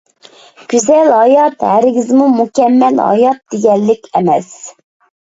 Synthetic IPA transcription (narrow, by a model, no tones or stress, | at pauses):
ɡ̥ʲyzɛlɦɑjɑt̪hæɾɪɡʲɪzmumukʲɛmːɛlhɑ̰jɑt̪̚d̪̥eɡʲɛlːɪkʲɛmɛs